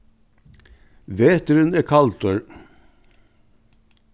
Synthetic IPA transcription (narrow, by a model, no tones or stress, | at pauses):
ʋeːt̪əɾənɛːkʰɑlt̪ːɹ